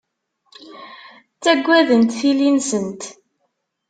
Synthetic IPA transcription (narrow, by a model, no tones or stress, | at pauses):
t͡sːæɡʷːæðənt̪θilinsənt̪